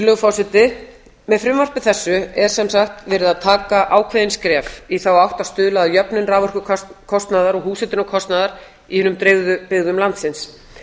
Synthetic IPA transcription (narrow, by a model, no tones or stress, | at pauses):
lœɣʏfɔsɪt̪ɪ | mɛðfɾɪmvɔr̥pɪθɛsːʏɛɾ̥sɛmsaxt̪vɛːɾɪðaðt̪ʰaːkaʔaːwkʰveðɪnskɾɛːfiθawawht̪ast̪ʏːlaðjœpnɪnraːvɔr̥kʏkʰkʰɔst̪naðaɾɔɣhuːsɪt̪ɪnɔkʰɔst̪naðaɾ̥ | ihʏnʏmt̪ɾeːɣðʏpɪɣðʏmlant̪sɪns